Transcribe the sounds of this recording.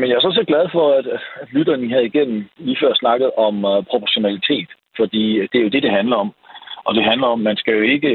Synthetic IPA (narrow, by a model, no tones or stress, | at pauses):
menjɑæɐsɒ̽se̝ːd̚ɡlæð̞ˠfɒ̽æd̥d̥lyɾ̥ɐːniɦæð̞̩ˠiɡ̥en̰m̩liːfɶɐ̰snɑ̈ɡ̥ð̩ˠɒ̽mpʰʁo̝pʰɒɕo̝nælit͡sʰe̝̰ːd̥ | fɒ̽d̥ḭːd̥e̝æɐjo̝d̥e̝d̥e̝ɦænlɐɒ̽m | ʔɒ̽d̥e̝ɦænlɐɒ̽mːænsɡ̥æjo̝e̝ɡ̥ə